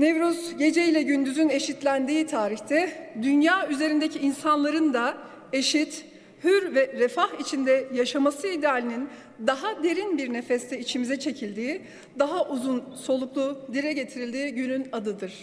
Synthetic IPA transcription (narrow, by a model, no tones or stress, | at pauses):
nevɾuzɟe̞d͡ʒejilʲɛɟynd̪yzyne̞ʃit̪lʲænd̪iːt̪ʰaːɾiçt̪ʰɛd̪ynjaːyze̞ɾind̪ecʰiinsanlˠaɾɯnd̪a | e̞ʃit̪ | hyɾvɛɾɛfahit͡ʃʰind̪ɛjaʃamasɯid̪eaːlʲinin | d̪aɦad̪e̞ɾinbiɾne̞fɛst̪ʰɛit͡ʃʰimizɛt͡ʃʰe̞cʰilʲd̪iː | d̪aɦaʔuzunso̞lˠuklˠud̪iɾɛɟe̞t̪ʰiɾilʲd̪iːɟynynad̪ɯd̪ɯɾ̥